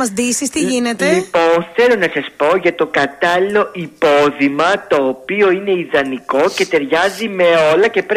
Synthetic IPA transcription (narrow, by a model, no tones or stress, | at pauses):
ɐzðisist̪iʝinet̪eiponθe̞lo̞nɐsɐspo̞ʝɐt̪o̞kɐt̪ɐlilo̞ʔipoðimɐt̪o̞ːpio̞ineiðɐniko̞ce̞t̪e̞ɾʝɐzime̞o̞lɐce̞pɾ